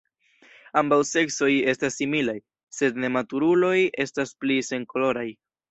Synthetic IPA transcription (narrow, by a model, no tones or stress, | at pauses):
ambawse̞kso̞je̞stasːimilaj | se̞dne̞matuɾulo̞je̞stasplise̞ŋkolo̞ɾaj